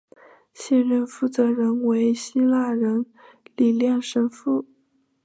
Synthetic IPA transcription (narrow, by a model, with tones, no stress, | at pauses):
ɕjɛ˥˧nɻə˥˧nfu˥˩t͡sɤ˧˥ɻə˧˥nwe˧˥ɪɕi˥la˥˩ɻə˧˥n | li˨˩ljɛ˥˩nʂə˥nfu˥˩